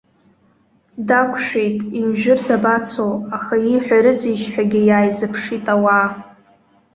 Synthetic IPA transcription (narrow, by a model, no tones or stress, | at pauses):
dakʷʰʃᶣe̞jtʼimʒᶣɪrdabat͡sʰowaχaiħʷᶣaɾɨziʃħᶣaɡʲɪjaːjzɨpʰʂitʼawaː